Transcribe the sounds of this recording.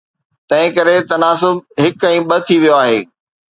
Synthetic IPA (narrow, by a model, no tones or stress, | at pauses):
t̪ɐ̃ɦɪ̃kɐɾet̪ɐnaːsʊbɦɪkɛ̃ĩɓɐt̪ʰiʋijoaːɦeː